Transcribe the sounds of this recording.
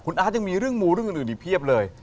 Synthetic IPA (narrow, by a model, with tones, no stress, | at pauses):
kʰu˧nʔaː˦˥ja˧ŋmiː˧ɾɯ˥˩əŋmuː˧ɾɯ˥˩ŋʔːʔːni˨˩pʰi˥˩əp̚lɤː˧j